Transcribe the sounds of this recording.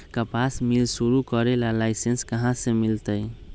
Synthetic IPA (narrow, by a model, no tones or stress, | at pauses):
kəpasmilsuɾukəɾelalaɪsenskəɦãsemilt̪əj